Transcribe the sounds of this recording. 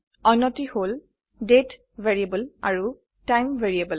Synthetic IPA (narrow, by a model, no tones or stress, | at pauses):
ɔjnɔtihol | det | veɹiebəla̰ɹu | tajmveɹiebəl